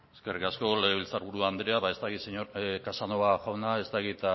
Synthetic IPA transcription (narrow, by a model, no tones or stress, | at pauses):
eske̞rikasko̞leɣeβilt͡saɾuɾuand̪ɾeaβae̞st̪aɣiseɲoɾkasanoβaʝawnae̞st̪aɣit̪